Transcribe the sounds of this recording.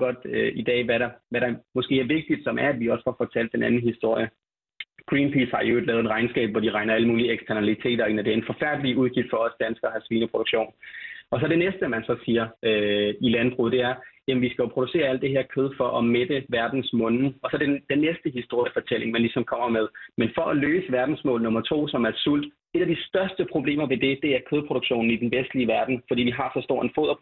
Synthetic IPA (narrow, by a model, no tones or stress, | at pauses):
ɡ̥ɒ̽d̥øid̥ɛ̰ːʋæɾɑ̈ʋæɾɑ̈mɒ̽sɡ̥e̝̰ːæɐʋe̝ɡ̥̚d̥id̥sɒ̽mʔæɐæd̥ʋiɒ̽sə̥fɒfɒ̽t͡sʰæl̰d̥ːenænn̩hisd̥o̝ɐ̰jə | ɡ̥ʁiːnpʰiːshɑ̈oed̥lɛːe̥ʁɑ̈ɪnsɡ̥ɛ̰ːb̥ʋɒ̰d̥iʁɑ̈ɪnɐæləmuːlieɡ̥st͡sʰæɐnælit͡sʰe̝̰ːdɐe̝næd̥e̝æɐenfɒ̽fæɐ̰d̥əliuð̞ˠɡ̥ifd̥fɒ̽ɒ̽sd̥ænsɡ̥ɐhɑsʋiːnəpʰʁo̝ɾ̥uɡ̥ɕo̝̰ːnɒ̽sɒ̽dɾe̝nesd̥əmænsɒ̽siːɐøilænb̥ʁṵːð̩ˠd̥e̝æɐjæmnʋisɡ̥æjopʰʁo̝ɾ̥use̝̰ːɐæl̰d̥e̝he̝ɐ̰kʰøð̞ˠfɒ̽ʔɒmed̥əʋæɐd̥n̩smɔ̽nn̩ɒ̽sɒ̽d̥ed̥enːesd̥əhisd̥o̝ɐ̰ifɒ̽t͡sʰel̰e̝ŋmænlisɒ̽mkʰɒ̽m̰ɐmeð̞ˠmenfɒ̽ʔɒløːsəʋæɐd̥n̩smɔ̰̽ːlnɔ̽mɐt͡sʰo̝̰ːsɒ̽mæɐ̥sul̰d̥ | e̝ɾ̥æd̥isd̥ɶɐsd̥əpʰʁo̝ble̝̰ːmɐʋe̝d̥e̝d̥e̝æɐkʰøð̞ˠpʰʁo̝ɾ̥oɡ̥ɕo̝̰ːn̩id̥enʋesd̥liəʋæɐd̥n̩fɒdḭːʋiɦɑ̈sɒ̽sd̥o̝ɐ̰enfo̰ð̰ˠɐ